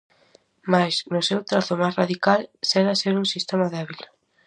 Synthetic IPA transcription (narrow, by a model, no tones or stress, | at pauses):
majsnʊsewt̪ɾaθʊmajsraðikalseɾaseɾuŋsist̪emaðeβil